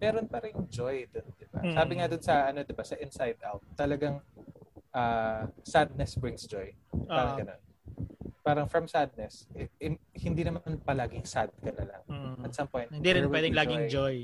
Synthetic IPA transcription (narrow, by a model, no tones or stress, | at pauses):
mɛːɾonpɐɾɪŋd͡ʒojd̪ond̪ɪba̰saːbɪŋad̪onsɐʔɐno̞d̪ɪbasɐʔɪnsajd̪ʔa̰wt̪ːɐlɐɡaŋ | ʔaːsad̪̚nɛsbɹɪŋsd͡ʒojaɾɐɡɐno̞̰n | paːɾɐŋfɹɐmsad̪̚nɛsɛɛhɪnd̪inɐmanpɐlaːɡɪŋsad̪̚kɐnɐlɐ̰ŋɐt̪sɐmpoj̃nɪnd̪iɾɪ̃nwɛːd̪ɪŋlaːɡɪŋjd͡ʒoj